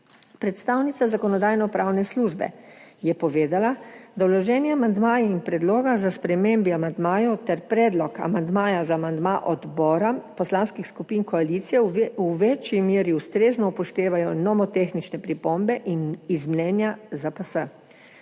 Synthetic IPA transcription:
pɾɛt̪st̪aːwnit̪sazakɔnɔd̪ajnɔpɾaːwnɛsluʒbɛ̰jɛpɔʋeːd̪alad̪awlɔʒɛːnjɛamand̪maːjiinpɾɛd̪loːɡazaspɾɛmembiamand̪maːjɔt̪ɛɾpɾɛːd̪lɔka̰mand̪maːjazaːmand̪maʔɔd̪bɔːɾapɔslaːnskixskupiːnkɔaliːt̪sijɛuʋet͡ʃjimeːɾiust̪ɾeːznɔpɔʃt̪eːʋajɔnɔmɔt̪exnit͡ʃnɛpɾipombɛʔinizmnɛːnjazapəsə

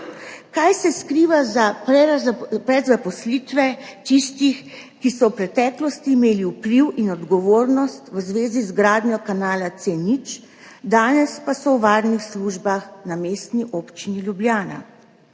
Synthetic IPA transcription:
kajsɛskɾiːʋazaɛzpɾɛzapɔslit̪ʋɛt̪ist̪ix | kisɔwpɾɛt̪ɛːklɔst̪iːmeːliupliwinɔd̪ɡɔʋoːɾnɔst̪wəzʋeːzizɡɾaːd̪njɔkanaːlat̪senit͡ʃ | d̪aːnɛspasɔwʋaːɾnixsluʒbaxnameːst̪niʔoːpt͡ʃiniljubljaːna̰

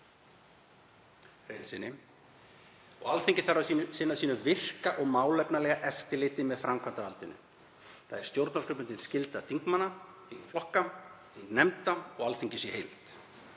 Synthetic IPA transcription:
fejlsɪnːɪ | ɔ̰ɣalθeɲcɪ̥θaɾaisɪnːasiːnʏvɪr̥kaʔɔɣmaːwlɛpnalɛɣaʔɛft̪ɪɾlɪːt̪ɪmɛðfɾamkʰvan̥t̪avalt̪ʏnːʏ̰ | θaðɛɾ̥st̪jowɾt̪naskʰʏpʏnɪnscɪlt̪at̪ʰiŋkmanːat̪ʰiŋflɔhkat̪ʰiŋknɛmt̪aɔɣalθiɲcɪsjɛhejlt̪

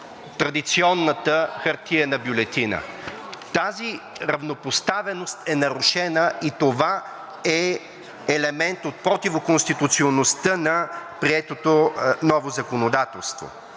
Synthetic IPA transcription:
t̪ɾɐd̪it̪siɔnːət̪əxɐɾt̪iənɐbjʊlɛt̪inə̰ | t̪aziɾɐvnopost̪avɛnost̪ɛnɐɾʊʃɛnəit̪ova | ɛ | ɛlɛmɛnt̪ot̪̚pɾot̪ivokonst̪it̪ut̪sionost̪ənɐpɾiɛt̪ot̪onɔvozɐkonod̪at̪ɛlˠst̪vo̰

